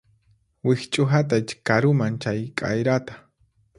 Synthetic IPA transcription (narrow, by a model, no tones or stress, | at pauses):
wɪht͡ʃʼʊɦat̪at͡ʃkaɾʊmant͡ʃajkʼa̰jɾat̪ḁ